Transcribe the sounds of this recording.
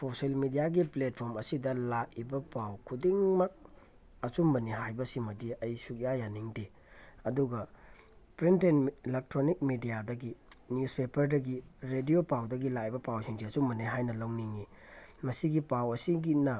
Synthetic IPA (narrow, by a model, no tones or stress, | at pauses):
soselmidijaɡiplet̚pʰoɾmɐsidɐlakibɐpawkʰudiŋmak̚ | ɐt͡ʃumbɐniɦajbɐsimɐdiɐjsuk̚jajaniŋde | ɐduɡɐ | pɾintenlek̚tɾonik̚midijadɐɡi | njuspepɐɾdɐɡiɾediopawdɐɡilakibɐpawsiŋziɐt͡ʃumbɐniɦajnɐlɐwniŋi | mɐsiɡipawɐsiɡinɐ